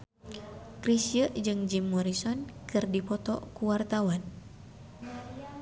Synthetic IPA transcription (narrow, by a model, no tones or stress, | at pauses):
kɾisiəʔd͡ʒɨŋd͡ʒimːɔɾisɔnkʰɨrdipɔt̪ɔkuwart̪awan